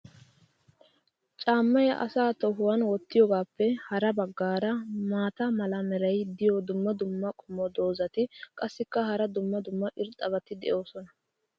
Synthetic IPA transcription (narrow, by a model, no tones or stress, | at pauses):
t͡ʃʼaːmːɐjɐʔɐ̰saːt̪ɔɦʊwɐnwɔt̪ːɪjɔɡaːpːɛhɐɾɐbɐɡːaːɾɐmaːt̪ɐmɐlɐmɛɾɐjd̪ɪjɔd̪ʊmːɐd̪ʊmːɐkʼʊmːɔd̪o̞ːzɐt̪ɪkʼɐsːɪkːɐhɐɾɐd̪ʊmːɐd̪ʊmːɐʔɪɾt̪ʼːɐβɐt̪ɪd̪ɛʔo̞ːsɔnɐ